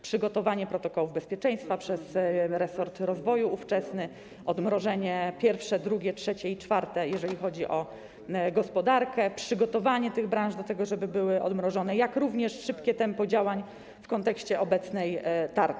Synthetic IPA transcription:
pʂɘɡɔt̪ɔvaɲɛpɾɔt̪ɔkɔwuvbɛspʲjɛt͡ʂɛ̃j̃st̪fapʂɛsɾɛsɔɾt̪ɾɔzvɔjuːft͡ʂɛsnɘ | ɔd̪mɾɔʐɛɲɛpʲjɛɾfʂɛd̪ɾuɡʲɛtʂɛt͡ɕɛit͡ʂfaɾt̪ɛjɛʐɛlʲixɔd͡ʑiʔɔ | ɡɔspɔd̪aɾkɛpʂɘɡɔt̪ɔvaɲɛt̪ɘɣbɾãñʐd̪ɔt̪ɛɡɔʐɛbɘbɘwɘʔɔ̰d̪mɾɔʐɔn̪ɛjakɾuvɲɛʂʂɘpkʲɛt̪ɛmpɔd͡ʑawaɲ | fkɔnt̪ɛkɕt͡ɕɛʔɔbɛt̪snɛjt̪aɾ

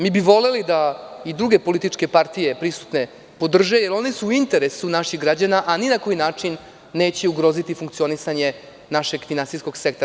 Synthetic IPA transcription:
miːbiʋo̞le̞lid̪aid̪ɾuɡe̞po̞lit̪it͡ʂke̞paɾt̪ije̞pɾisu̥t̪ne̞ | po̞d̪r̩ʒejeɾo̞nesuːint̪e̞ɾesunaʃixɡɾad͡ʑanaʔaninako̞jinaːt͡ʂinː | e̞ːt͡ɕeuɡɾo̞zit̪ifuŋk̚t̪sio̞nisaɲe̞ | naʃe̞ɡfinansisko̞ɡsekt̪

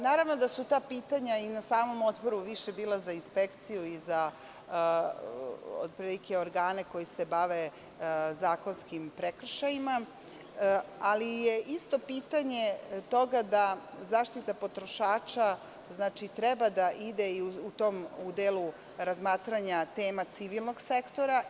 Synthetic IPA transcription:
naːɾaʋno̞d̪asut̪aːpiːt̪aɲainasaːmo̞mo̞t̪bo̞ɾuʋiʃe̞biːlˠazainspekt̪sijuiza | o̰d̪̚pɾilike̞o̞ɾɡaːne̞ko̞jisebaʋe̞ | zaːko̞nskimpɾekr̩ʃajima | alijeʔist̪o̞piːt̪aɲe̞t̪o̞ɡad̪azaːʃt̪it̪apo̞t̪ɾoʃaːt͡ʃa | znaːt͡ʃit̪ɾɛbad̪aʔid̪eiuut̪o̞mud̪elˠu | ɾazmaːt̪ɾaɲat̪e̞ːmat̪siʋilˠno̞ɡse̞kt̪o̞ɾa

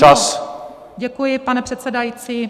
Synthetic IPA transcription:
as | ɟɛkujɪpanɛpr̥ɛt̪sɛdajit͡siː

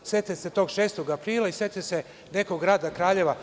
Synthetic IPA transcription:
se̞t̪eset̪o̞ːɡʃeːst̪o̞ɡapɾiːlˠaiset̪ese | ne̞koɡɡɾaːd̪akɾaːʎe̞ʋa

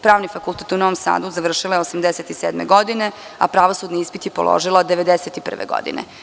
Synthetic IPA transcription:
pɾaːʋnifakulˠt̪eːt̪unoʋomsa̰ːd̪uzaʋr̩ʃilaeosamd̪eset̪iseːd̪mḛɡod̪ine | a̰pɾaʋosud̪niispit̪jipo̰lo̰ʒilod̪eʋed̪eset̪ipr̩ʋḛɡo̰d̪ḭnḛ

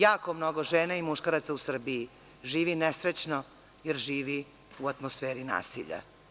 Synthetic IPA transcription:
jaːko̞mnoɡoʒeːnaimuʃkaɾat̪sausr̩biji | ʒiːʋinesɾet͡ɕno | jeɾʒiːʋi | uat̪mosfeːɾina̰ːsḭʎa̰

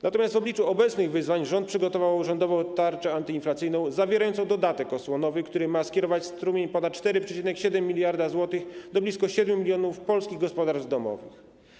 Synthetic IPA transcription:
nat̪ɔmʲjast̪vɔblʲit͡ʂuɔbɛt̪snɘɣvɘzvaɲʐɔnt̪pʂɘɡɔt̪ɔvawuʐɛnd̪ɔvɔ̃wt̪aɾt͡ʂɛant̪ɘinflat̪sɘjnɔ̃w̃zavʲjɛɾajɔnt̪sɔ̃w̃d̪ɔd̪at̪ɛkɔswɔnɔvɘxkt̪uɾɘmaskʲɛɾɔvat͡ɕst̪ɾumʲeɲpɔnat̪̚t͡ʂt̪ɛɾɘpʂɛt͡ɕinɛkɕɛd̪ɛmːʲilʲjaɾd̪azwɔt̪ɘxd̪ɔblʲiskɔɕɛd̪mʲjumʲilʲjɔnufpɔlskʲiɣɡɔspɔd̪aɾd̪ɔmɔ̰vɘ̰x

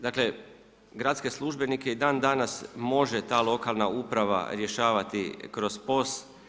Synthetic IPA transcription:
d̪aːkle̞ | ɡɾat̪ske̞slˠuʒbe̞nike̞id̪aːnd̪anasmo̞ʒet̪aːlˠo̞kalˠnaupɾaʋa̰ɾje̞ʃaːʋat̪ikɾo̞zpo̞st̪

